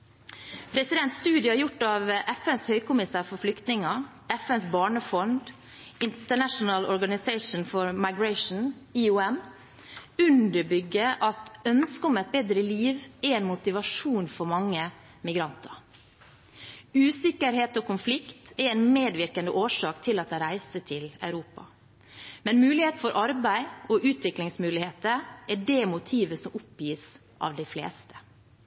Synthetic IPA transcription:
pʰɾɛsɪd̪ɛnt̪st̪ʉːd̪ɪəhɑɾjʊʈːɑːʋʔɛfɛnshœʏkʊmɪsæːɾfɔɾflʏkt̪nɪŋɑ | ɛfɛnsbɑːɳəfɔnd̪ | ɪnt̪əɳæʂnəlɔɾɡɑnɪseɪʂn̩fɔɾmɑɪɡɹæɪʂn̩iʉːɛm | ʉnd̪əɾbʏɡːəʔɑt̪œnskəʊmɛt̪̚beːd̪ɾəliːʋɛɛːnmʊt̪ɪʋɑʂuːnfɔɾmɑŋːə | mɪɡɾɑnt̪ʰɑɾ | ʉːsɪkːəɾheːt̪oːkʊnflɪkt̪ɛɾɛnmeːd̪ʋɪɾkənd̪ə̰ʔoːʂɑːkt̪ʰɪlɑt̪̚d̪æɾæɪsət̪ʰɪlæ̰ʉɾuːpɑ̰ | mɛnmʉːlɪheːt̪n̩fɔɾʔɑɾbæɪoʔʉːt̪ʋɪklɪŋsmʉːlɪheːt̪əʔæɖemʊt̪ʰiːʋəsɔmʊpjiːs | ʔɑ̰ːʋd̪æɪflḛːst̪ə̥

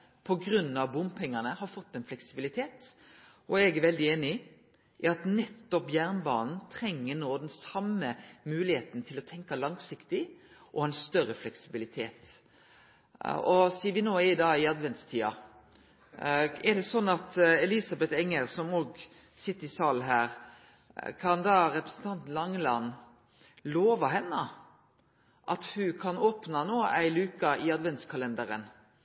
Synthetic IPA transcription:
pʰɔɡɾʉnːɑʋbʊmpʰɛŋːɑnəhɑɾfɔt̪ːɛnflɛksɪbɪlɪt̪ʰeːt̪ | ʔɔɛɡɛʋɛld̪ɪeːnɪ | ʔɑt̪nɛt̪ːɔpjæɾnbɑːnn̩t̪ʰɾɛŋːənoːd̪ɛnsɑməmʉːlɪheːt̪n̩t̪ʰɪlɔt̪ʰɛŋkɑlɑŋsɪkt̪ɪʔɔɛnst̪œɾəflɛksɪbɪlɪt̪ʰeːt̪ | ɔsiːʋɪnoːɪɪd̪ɑːɪɑd̪ʋɛnt̪st̪ʰiːɑ | ɛɖɛsɔnːɑt̪ɛlisɑbɛt̪ɛŋːəɾsɔmoːɡ | sɪt̪ːəɾɪsɑːln̩ɦæːɾ | kʰɑnd̪ɑːɾɛpɾɛsn̩t̪ʰɑnt̪lɑŋːlɑn | loːʋɑɦɛnːə | ʔɑt̪hʉkʰɑnoːpnɑnoːæ̰ɪlʉːkɑɪɑd̪ʋɛnt̪skʰɑlɛnd̪əɾə̰n

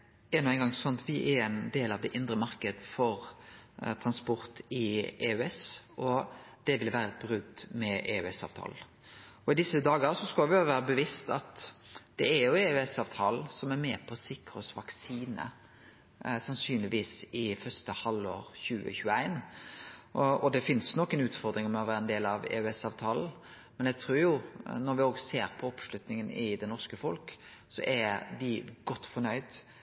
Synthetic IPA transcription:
ɛnɔæɪŋɡɑŋsɔnt̪ʋɪʔɛɾɛɪnd̪eːlɑʋd̪ɛʔɪnd̪ɾəmɑɾkəd̪fɔɾ | t̪ʰɾɑnspɔɾt̪ɪeːʉɛsɔd̪̥ɛʋɪlʋæːɾəɛt̪̚bɾʉɡ̚d̪mɛʔeːʉɛsɑ̰ʋt̪ʰɑ̰ːl̩ | ɔɪd̪ɪsəd̪ɑːɡəsɔskɑlʋɪɑʋæːɾəbəʋɪst̪ɑt̪d̪̥ɛæɾjʊeʉɛsɑːʋt̪ʰɑːl̩sɔmæɾmɛpʰɔsɪkɾɔsʋɑksiːnə̰ | sɑnsyːnlɪʋiːsɪfœst̪əhɑlːo̰ːɾçʉːə̰çʉːəæɪn | ɔd̪ɛfɪnsnɔkːənʉːt̪fɔɾd̪ɾɪŋmɛɔʋæːɾəɛnd̪eːlɑʋɛ̰ʉɛsɑːʋt̪ʰɑːln̩ | mɛnæɡt̪ʰɾuːɾjʊnɔɾʋɪoːɡseːɾpʰɔɔpslʉt̪nɪŋənɪd̪ɛnɔʁskəfɔlksɔ̰ʔæd̪ɪɡ̥ɔt̪ːfɔɾnœʏd̪

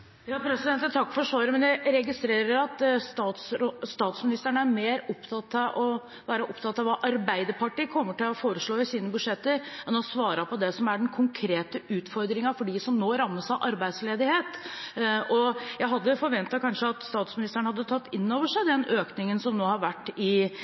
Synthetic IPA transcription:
jɑːpʰɾɛsɪd̪ɛnt̪ət̪ʰɑkːfɔʂʋɑːɾəmɛnjæɪɾɛɡɪst̪ɾeːɾəɾɑt̪st̪ɑːt̪sɾost̪ɑːt̪smɪnɪst̪əɳəæɾmeːɾɔpt̪ʰɑt̪ːɑʔɔ | ʋæːɾəʔɔpt̪ʰɑt̪ːɑʋɑʔɑɾbæɪd̪əɾpʰɑʈiːkʰɔmːəʈɪlɔfoːɾəʂɭoːɪsiːnəbʉʂɛt̪ːəɾɛnɔsʋɑːɾɑpʰɔd̪ɛsɔmæɖɛnkʰʊŋkʰɾeːt̪əʉːt̪fɔɾd̪ɾɪŋɑfɔɖisɔmnoːɾɑmːəsɑʔɑɾbæɪd̪sleːd̪ɪheːt̪ | ɔjæɪɦɑd̪ːəfɔɾʋɛnt̪ɑkʰɑnʂəɑt̪st̪ɑːt̪smɪnɪst̪əɳəhɑd̪ːət̪ʰɑt̪ːɪnːoːʋəʂæɪd̪ɛnøːknɪŋənsɔmnoːhɑɾʋæʈːɪ

